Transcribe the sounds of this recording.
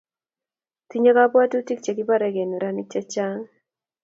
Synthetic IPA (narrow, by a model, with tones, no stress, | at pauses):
ti˦ɲe˦ka˦pwa˦tu˦ti˦k̚t͡ʃɛ˨ki˦pa˦ɾɛ˨kɛ˨nu˨ɾa˦ni˦k̚t͡ʃɛ˦t͡ʃa˦ŋ